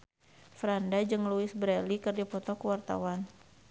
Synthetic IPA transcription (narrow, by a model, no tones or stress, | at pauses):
fɾandad͡ʒɨŋluɪsbɾɛlikɨrdipɔt̪ɔkuwart̪a̰wan